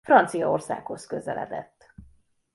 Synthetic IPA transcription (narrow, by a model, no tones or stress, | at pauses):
frɒnt̪sijɒorsa̰ːkho̞skø̞zɛlʔɛ̰d̪ɛt̪ː